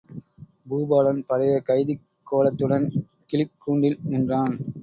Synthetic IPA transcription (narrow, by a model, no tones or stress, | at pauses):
buːbaːlɐnpɐɽɐjɐkɐɪðɪ | kʰːoːlɐt̪ːɯɽɐn | kɪlɪkːuːɳɖɪlɛndraːn